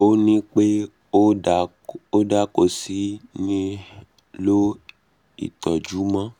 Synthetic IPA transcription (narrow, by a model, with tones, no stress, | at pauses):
o˦nĩ˦k͡pe˦˨ | o˦da˦ko˦˨si˦nĩ˦ | lo˦ | ḭ˨t̪ɔ˨d͡ʒu˨˦mã˦